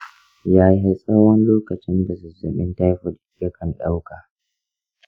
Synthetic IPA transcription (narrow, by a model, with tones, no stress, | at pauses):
jaː˦jɦa˦sʼa˦whɔ˦nloː˦kɐ˨t͡ʃɪ˦nda˨zʊ˨zɐ˨ɓɪ˦nta˦jɸʊ˨dɪ˨˦jɐ˦kʰɐ˨nɗa˦wkaː˨